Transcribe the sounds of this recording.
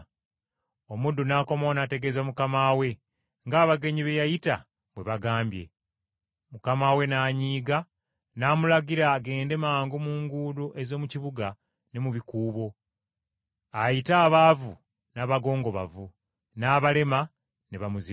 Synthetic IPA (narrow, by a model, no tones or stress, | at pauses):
omudunaːko̞mo̞nate̞ɡe̞zwamukamaːwe̞ | ŋɡaːβaɡe̞ɲiβe̞jajita̰ | βwe̞βaɡaːmbje̞̰ | mukamawe̞naːɲiːɡa | naːmulaɡiɾaɡe̞ːnde̞maːŋɡomuːŋɡuːdoʔe̞zo̞ːmuciβuɡa | ne̞muβikuːβo̞ | ajitaːβavu | naβaɡo̞ːŋɡo̞βa̰vu | naːβale̞ma | neβamuzi